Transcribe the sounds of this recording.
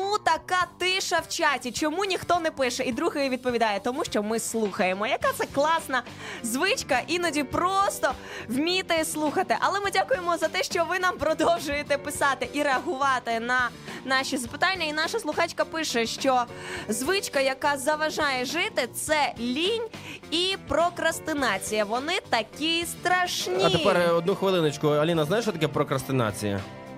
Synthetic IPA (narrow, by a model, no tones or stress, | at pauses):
ut̪ɐkɑt̪ɪʃɐwt͡ʃɑtʲit͡ʃɔmunʲixt̪ɔnɛpɪʃɛid̪ɾuɦɪjɛʋʲid̪̚pɔʋʲid̪ɑjɛt̪ɔmuʃt͡ʃɔmɪslˠuxɐjemɔjɐkat̪sɛklˠɑsnɐ | zʋɪt͡ʃkɐʔinɐdʲiprɔst̪ɔ | wmʲit̪ɪslˠuxɐt̪ɪʔɐlˠɛmɪdʲakʊjemɔzɐt̪ɛʃt͡ʃɔʋɪnɑmpɾɔd̪ɔwʒʊjet̪ɛpɪsɑt̪ɪʔiɾeɐɦʊʋɑt̪ɪnɐ | nɑʃʲizɐpɪ̥t̪ɑnʲːɐinɑʃɐslˠʊxɑt͡ʃʲkɐpɪʃɛʃt͡ʃɔzʋɪt͡ʃkɐjɐkɑzɐʋɐʒɑjɛʒɪt̪ɪt̪sɛlʲinʲipɾɔkɾɐst̪ɪnɑt͡sʲijɐʋɔnɪt̪ɐkʲist̪ɾɐʃnʲɐtiepɛrɔd̪̚nuxʋɪlˠɪnɪt͡ʃkʊɐlʲinɐznajɪʃt͡ʃɔt̪ɐkɛpɾɔkɾɐst̪ɪnɑ̰t͡sʲḭjɐ̰